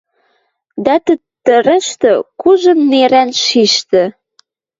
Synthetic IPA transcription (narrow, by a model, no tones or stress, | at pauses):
d̪æt̪ə | t̪ːə̆ɾə̆ʃt̪ɤ̆kuʒɤ̆nːeɾænʃiʃt̪ə̆